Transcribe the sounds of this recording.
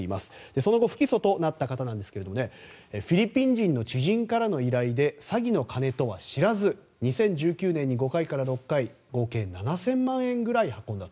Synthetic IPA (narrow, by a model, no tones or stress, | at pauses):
ima̰sɨ̥d̪̥e̞so̞no̞ɡo̞ɸɯ̟̥kʲiso̞t̪o̞nat̪ːakat̪anãnd̪e̞sɨ̥ke̞ɾed̪o̞mone̞ | ɸʲiɾʲipʲĩɲ̟d͡ʑĩnːo̞t͡ɕiʑĩŋkaɾano̞iɾaid̪e̞saɡʲino̞kʰane̞t̪o̞βaɕiɾazɨ | ɲ̟isẽ̞ɲ̟d͡ʑɨːkʲɨːnẽ̞ɲ̟ːiɡo̞kaikaɾaɾo̞kːai | ɡo̞kẽ̞ːnnanasẽ̞mmãɰ̃ẽ̞ŋɡɯ̟ɾaihakːõ̞nd̪at̪o